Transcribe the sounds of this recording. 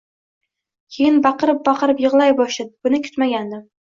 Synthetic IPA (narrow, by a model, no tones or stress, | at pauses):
kʲʰejɪnbɑqɨɾɪp̚bɑqʰɨɾɪpjɨʁlˠajbɒʃɪd̪̚b̥ʊnɪkʲʰʊ̥t̪maɡʲand̪ɪm